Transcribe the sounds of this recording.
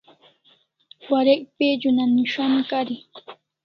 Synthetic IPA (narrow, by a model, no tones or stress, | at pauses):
waɾɪkpɪʎʊnanɪʃamɪkaɾɪ